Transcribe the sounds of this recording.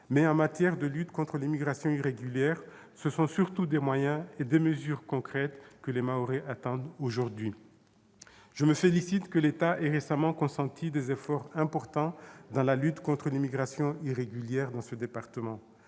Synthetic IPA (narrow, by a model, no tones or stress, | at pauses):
mɛɑ̃mat̪jɛʁd̪əlyt̪kɔ̃t̪χəlimiɡʁasjɔ̃iʁeɡyljɛʁ | səsɔ̃syʁt̪ud̪emwajɛ̃ed̪eməzyʁkɔ̃kχɛt̪kəlemaoʁeʔat̪ɑ̃d̪oʒuʁd̪ɥi | ʒ̥əməfelisit̪kəlet̪aʔɛʁesamɑ̃kɔ̃sɑ̃t̪ʰid̪ezefɔʁɛ̃pɔʁt̪ɑ̃d̪ɑ̃lalyt̪kɔ̃t̪χəlimiɡʁasjɔ̃iʁeɡʲyljɛʁd̪ɑ̃səd̪epaʁt̪əmɑ̃